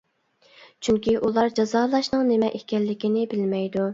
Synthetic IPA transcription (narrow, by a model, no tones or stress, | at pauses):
t͡ʃʰyŋkʲiʔulˠɑɾd͡ʒɑzɑːlˠɑʃnɨŋnɪmɛʔekʲʰɛlːɪkʲinɪbɪlmɛjd̪u